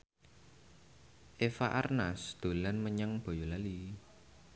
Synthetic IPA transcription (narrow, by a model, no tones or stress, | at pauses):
ʔefaʔarnasd̪̥o̤lanməɲaŋb̥ɔ̤jolali